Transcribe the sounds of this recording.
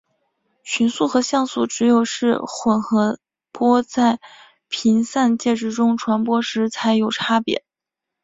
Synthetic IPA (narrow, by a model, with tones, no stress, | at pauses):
ɕy˧˥nsu˥˩xɤ˧˥ɕjɑ˥˩ŋsṵ˨˩ʈ͡ʂɻ̩˧˥jo˨˩ʊʂɻ̩˥˩xwə˨˩nxɤ˧˥ | pwɔ˥t͡sa˥˩ɪ | pʰi˧˥nsa˥˧nt͡ɕjɛ˥˧ʈ͡ʂɻ̩˥˩ʈ͡ʂʊ˥ŋʈ͡ʂʰwa˧˥npwɔ˥ʂɻ̩˧˥t͡sʰa˧˥ɪjo˨˩ʊʈ͡ʂʰa˥pjɛ̰˧˥